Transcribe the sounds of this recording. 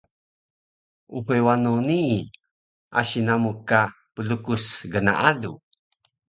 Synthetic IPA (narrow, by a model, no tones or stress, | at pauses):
uɸewanonii | ʔa̰ɕinamuka | pəlukusɡəna̰ʔalṵ